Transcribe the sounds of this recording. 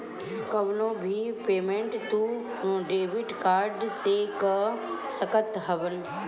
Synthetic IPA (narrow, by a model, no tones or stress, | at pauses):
kɐʋnoːbʱipeːmẽɳʈt̪uː | ɖeːʋɪɖkaːɾɖsekəsɐkət̪ɦɐʋən